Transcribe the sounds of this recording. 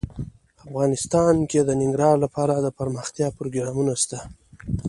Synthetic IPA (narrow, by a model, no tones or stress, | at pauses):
afɣɑnɪst̪ɑnked̪ənɪŋɡɾɑɾlapɑɾad̪əpaɾməxt̪jɑpɾoɡɾɑmunast̪a